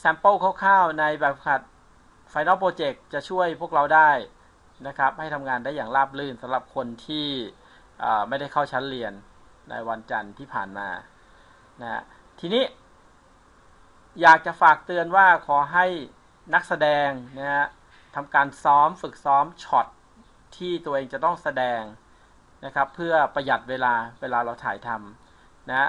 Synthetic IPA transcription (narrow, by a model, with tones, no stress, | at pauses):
sɛ˨˥mpɤː˥˩kʰaː˥˩wkʰaː˥˩wna˧jbɛː˨˩p̚kʰa˨˩t̪̚ | fa˧jna˦˥˩pɾoː˧t͡ɕe˨˩k̚t͡ɕa˨˩t͡ɕʰu˥˩əjpʰu˥˩ək̚ɾa˧wdaː˥˩j | na˦˥kʰa˦˥p̚ha˥˩jt̪ʰa˧mŋaː˧ndaː˥˩jaː˨˩ŋlaː˥˩p̚lɯː˥˩nsa˩˦mɾa˨˩p̚kʰo˧nt̪ʰiː˥˩ | ʔəː˨˩ma˥˩jda˥˩jkʰa˥˩wt͡ɕʰa˦˥nli˧ənː | a̰˧jwa˧nt͡ɕa˧nt̪ʰiː˥˩pʰa̰ː˨˩nma̰ː˧ | na˦˥ha̰˦˥ | t̪ʰiː˧niː˦˥˩ | jaː˨˩k̚t͡ɕa˨˩faː˨˩k̚t̪ɯ˧ənwaː˥˩kʰɔː˨˩˦ɦa˥˩j | na˦˥k̚sa˧dɛː˧ŋna˦˥ha˦˥ | t̪ʰa˧mkaː˧nsɔː˦˥mfɯ˨˩k̚sɔː˦˥mt͡ɕʰɔ˨˩t̪̚ʰː | iː˥˩t̪u˧əʔeː˧ŋt͡ɕa˨˩t̪ɔ˥˩ŋsa˧dɛː˧ŋ | na˦˥kʰɾa˦˥pʰːɯ˥˩ɐpɾa˧ja˨˩t̪̚weː˧laː˧weː˧laː˧ɾa˧wt̪ʰaː˩˦jt̪ʰa˧m | na˦˥